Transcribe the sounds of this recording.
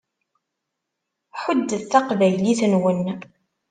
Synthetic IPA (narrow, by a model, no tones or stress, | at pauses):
ħəd̪ːəðθɑqvæjliθənwən